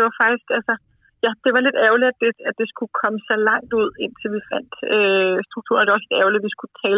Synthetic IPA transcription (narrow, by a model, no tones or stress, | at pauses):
de̝ʋɑ̈fɑ̈ɡ̥d̥isɡ̥ælsə | jæd̥e̝ʋɑ̈le̝d̥æʊliædd̥e̝æ̥e̝sɡ̥ukʰɒ̽məsɒ̽lɑ̈ŋ̰d̥uð̞̰ˠe̝n̰t͡sʰe̝lʋifæn̰d̥øsd̥ʁuɡ̥̚t͡sʰṵɐnæd̥e̝ɒ̽sle̝d̥æɐʊliʋisɡ̥ut͡sʰɛː